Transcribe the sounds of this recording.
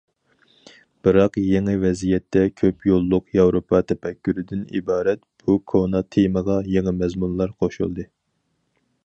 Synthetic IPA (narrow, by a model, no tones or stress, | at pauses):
b̥ɨɾɑqjeŋɨvɛzijɛt̪ʰːɛkʲʰøpjolˠːʊqjɑwɾopʰɑt̪ʰɛpɛkʲːyɾɪd̪ɪnḭbɑːɾɛt̪b̥ukʰonɑt̪ʰeməʁɑjeŋɪmɛzmunlˠɑɾqʰoʃṵlˠd̪ɨ